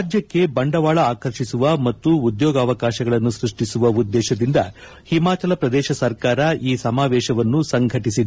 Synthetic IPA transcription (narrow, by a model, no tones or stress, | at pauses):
d͡ʒjɐkːe̞bɐɳɖɐʋaːɭɐaːkɐɾʂisuʋɐmɐt̪ːuːd̪jɔːɡɐːʋɐkaːʃɐɡɐɭɐnːusɾuʂʈisuʋɐud̪ːɛːʃɐd̪ind̪ɐ | himaːt͡ʃɐlɐpɾɐd̪ɛːʃɐsɐɾkaːɾɐiːsɐmaːʋɛːʃɐʋɐnːusɐŋɡʱɐʈisi